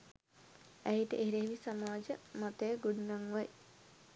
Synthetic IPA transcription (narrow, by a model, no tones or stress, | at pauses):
æiʈəʔeɦɾeʋisamaːd͡ʒəmat̪əjəɡuɖunaŋʋaj